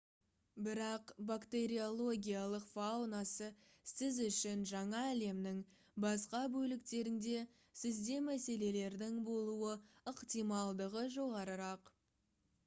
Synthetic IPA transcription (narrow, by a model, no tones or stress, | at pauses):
bɪɾɑqbakt̪e̞ɾio̞lˠo̞ɡʲijalˠəqfawnasə | sɪzʏʃɪnʒɑɴɑːle̞mnɪŋ | bɑsqɑbɵlɪkt̪e̞ɾɪŋd̪e̞ | sɪzd̪e̞mæse̞le̞le̞ɾd̪ɪŋbo̞lˠuəəqt̪ijmɑlˠd̪əʁəʒo̞ʁɑɾəɾɑq